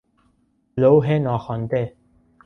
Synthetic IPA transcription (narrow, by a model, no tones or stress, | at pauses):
lowɦenɔxɔnt̪e